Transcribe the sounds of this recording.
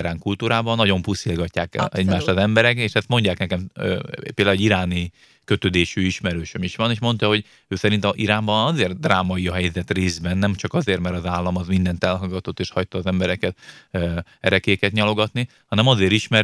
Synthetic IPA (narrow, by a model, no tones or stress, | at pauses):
ɾaːŋkult̪uːɾaːbɒnːɒɟo̞mpusilɡɒcːaːkɛ̰ɛɟmaːʃt̪ɒzɛmbɛɾɛkeːʃɛst̪mo̞ɲɟaːknɛkɛmpeːld̪aluːɟiɾaːni | kø̞t̪ød̪eːʃyiʃmɛɾøːʃømiʃʋɒneːʃmo̞nt̪ɒɦo̞ɟ | øːsɛɾint̪ɒʔiɾaːmbɒnɒzeːrd̪raːmɒiɒɦɛjzɛt̪reːzbɛnːɛmt͡ʃɒkɒzeːrmɛɾɒzaːlːɒmɒzmind̪ɛnt̪ɛlɦɒɡɒt̪o̞t̪ːeːʃhɒjt̪ɒːzɛmbɛɾɛkɛt̪ | ɛɾɛkeːkɛt̪ɲɒlo̞ɡɒt̪ni | hɒnɛmɒzeːɾiʃmɛɾ